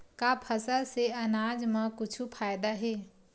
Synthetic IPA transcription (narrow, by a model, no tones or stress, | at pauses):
kapʰəsəlseɐnaːd͡ʒmãkʊt͡ʃʰupʰaːjd̪aɦeː